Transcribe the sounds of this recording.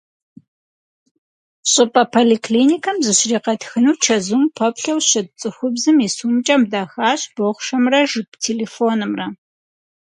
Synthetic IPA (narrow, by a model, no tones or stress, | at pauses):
ɕʼɪpʼɐpʰoːlikʰliːnikʰɐmzɨɕriːqɐtxɨnuːt͡ʃʰɐzumpʰɐpɬɐwɕɐdt͡sʼɨxʷʊbzɨmiːsuːmt͡ʃʼɐmdaːxaːɕb̥oʁʷʂɐmrɐʒɨpʼtʰeːleːfoːnɨmrɐ